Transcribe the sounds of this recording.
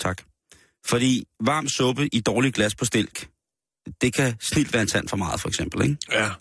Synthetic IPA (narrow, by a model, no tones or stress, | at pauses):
t͡sʰɑ̈ɡ̥ | fɒ̽d̥ḭːʋɑ̈ːmd̥sɔ̽b̥əʔid̥ɒːliɡ̥læspʰɒ̽sd̥e̝l̰ɡ̥ | d̥e̝kʰæsnil̰d̥ʋæːɐensæn̰fɒ̽mɑ̈ːð̞̩ˠfɒeɡ̥sem̰b̥l̩eɡ̥